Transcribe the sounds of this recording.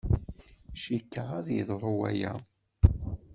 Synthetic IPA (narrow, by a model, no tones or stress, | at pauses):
ʃikːəʁaðjə̰ðˤɾˤuwæ̰jæ̰